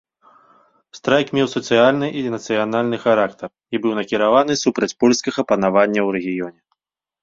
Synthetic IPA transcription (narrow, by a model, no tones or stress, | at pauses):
st̪ɾajkmʲɛwsɐt̪sɨjalʲnɨʔinɐt̪sɨjanalʲnɨxaɾakt̪ɐr | ibɨwnɐkʲiɾavanɨsupɾɐt͡sʲpɔlʲskʲɐɣɐpɐnavanʲːɐwrɛɣʲijɔnʲɛ